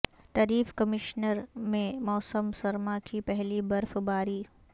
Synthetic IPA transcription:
t̪ɐɾiːfkɐmɪʃnəɾmẽmɔːsəmsɐɾmakipɛɦlibɐɾfbaːɾiː

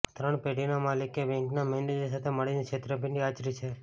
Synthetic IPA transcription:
t̪ɾəɳpeɖinamalikebɛ̃ŋknamɛnɖed͡ʒisat̪ʰeməɭinikʰet̪ɾəpiɳɖiat͡ʃɾit͡ʃʰe

